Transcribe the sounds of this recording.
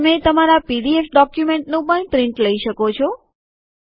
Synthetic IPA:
met̪əmaɾapiɖiefɖɔkjumeɳʈnũpəɳʈɾɪ̃ɳʈləiʃəkot͡ʃʰɔ

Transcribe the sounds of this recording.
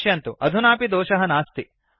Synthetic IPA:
jɐnt̪uʔɐd̪ʱunaːpid̪ɔːʃɐɦɐnaːst̪i

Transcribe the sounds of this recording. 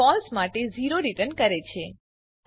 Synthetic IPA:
ɔlsmaʈeziɾoɾiʈənkəɾet͡ʃʰe

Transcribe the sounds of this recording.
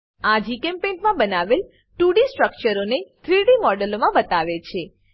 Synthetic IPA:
ad͡ʒikɛ̃mpenmãbənaʋel | ʈuɽisʈɾək̚t͡ʃəɾonet̪ʰɾiɖimɔɖəlomãbət̪aʋet͡ʃʰe

